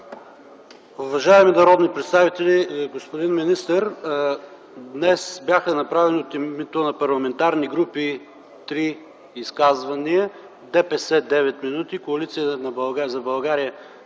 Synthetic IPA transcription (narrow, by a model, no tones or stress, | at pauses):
ʊvɐʒaɛminɐɾɔd̪nipɾɛt̪st̪avit̪ɛliɡospʊd̪inminist̪əɾ | d̪nɛsbʲjaxɐnɐpɾavɛniot̪immit̪onɐpɐɾlˠɐmɛnt̪aɾniɡɾupi | t̪ɾiː | skazvɐniə | d̪ɛpɛsɛd̪ɛvɛt̪minut̪ikoɐlit̪sijət̪nɐbɐlˠɡazɐbɐlˠɡaɾijə